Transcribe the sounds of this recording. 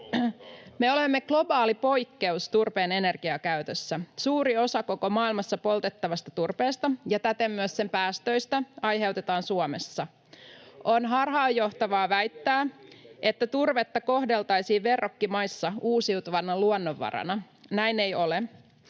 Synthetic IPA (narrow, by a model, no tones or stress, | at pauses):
me̞o̞lemːe̞ɡ̥lo̞bɑːlipo̞jkːe̞ust̪urpeːne̞ne̞rɡ̥iɑkæyt̪øsːæsuːɾio̞sɑkoko̞mɑːilmɑsːɑpo̞lt̪e̞t̪ːɑʋɑst̪ɑt̪urpeːst̪ɑjɑt̪æt̪emːyəsse̞mpæːst̪ø̞ist̪æɑjɦe̞uwt̪e̞t̪ɑːnsuomesːɑ | ʔonɦɑrɦɑːjːo̞ht̪ɑʋɑːʋæjt̪ːæːʔe̞t̪ːæt̪urʋet̪ːɑko̞hde̞lt̪ɑjsiːʋʋe̞rːokːimɑjsːɑuːsiut̪uʋɑnɑluonːoʋːɑ̰ɾɑ̰nɑ | næjnejo̞le